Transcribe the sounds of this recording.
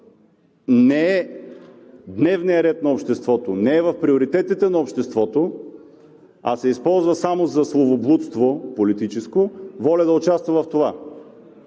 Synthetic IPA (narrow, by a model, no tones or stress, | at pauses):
nɛɛ | d̪nɛvnijɐɾɛt̪nɐopʃt̪ɛst̪vɔt̪onɛɛvɐfpɾioɾit̪ɛt̪it̪ɛnɐopʃt̪ɛst̪vɔt̪o | ɐ̰sɛispɔlˠzvɐsamozɐslˠovoblˠut̪st̪vopolit̪it͡ʃɛskovɔlʲɛd̪ɐot͡ʃast̪vɐvɐft̪ova